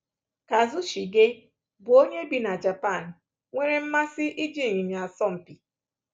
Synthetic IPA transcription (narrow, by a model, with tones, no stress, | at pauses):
ka˨zu˦ʃi˨ɡe˦ | bʊ˨˦o˦ɲe˦bi˨na˨d͡ʒa˨pa˦˨n̩˨ | ŋʷe˦ɾe˦m̩˦ma˦sɪ˦ʔi˦d͡ʒi˦˨ɲi˨mi˨a˨sɔ˦m̩˨pi˨